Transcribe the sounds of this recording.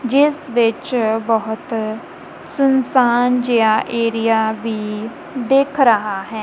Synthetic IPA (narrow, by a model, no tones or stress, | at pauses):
d͡ʒɪsʋɪt͡ʃbɔɦʊt̪ | sʊnsaːnd͡ʒejaːʔeːɾijaːʋiː | d̪eːkʰɾəɦaːɦɛː